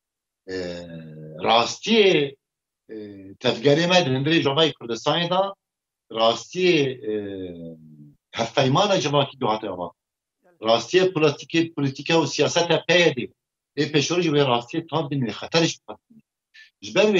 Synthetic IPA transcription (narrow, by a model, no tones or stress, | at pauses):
rɑːst̪ije | t̪ʰɛvɡɛɾeːmɛd̪ɨhɨnd̪ɨɾeːʒɑvɑːjekʰʊɾd̪ɨst̪ɑːneːd̪ɑ | rɑːst̪ije | hɛfpɛjmɑːnɑd͡ʒɨvɑːkiːɡʊhɑːt̪eɑ̰vɑ̰ː | rɑːst̪ijepʰolɑst̪ikepʰolit̪ikɛusijɑːsɛt̪ɛpʰɛjɛd̪e | ʔeːpeːʃoɾiʒweːrɑːst̪ijeːt̪ʰɑːnd̪inixɛt̪ʰɛɾeʃbɨxɛst̪̚ɨne | ʒɨbɛɾwe